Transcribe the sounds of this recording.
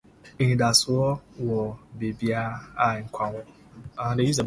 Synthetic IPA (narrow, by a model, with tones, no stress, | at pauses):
i˨da˨su˦ɔ˦wɔ˨be˨bi˦a˦a˦˨ŋ̩˨kʷʰa˨ŋʷɔ˦ | a˨a˦de˨˦ji˦ze˨